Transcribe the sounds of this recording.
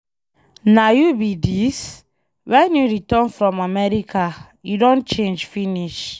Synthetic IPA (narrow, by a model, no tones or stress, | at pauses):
najubidis | wɛ̃njuɹitɔnfɹɔ̃mamɛɹikʰa | judõnt͡ʃẽnd͡ʒfiniʃ